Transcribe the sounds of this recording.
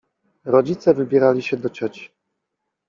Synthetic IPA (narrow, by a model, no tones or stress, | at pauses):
ɾɔd͡ʑit̪sɛvɘbʲjɛɾalʲiɕɛd̪ɔt͡ɕɔt͡ɕi̥